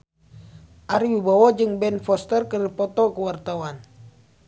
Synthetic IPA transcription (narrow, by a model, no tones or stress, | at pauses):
ʔaɾiwibawɔd͡ʒɨŋbɛnfɔst̪ərkəripɔt̪ɔkəwart̪awan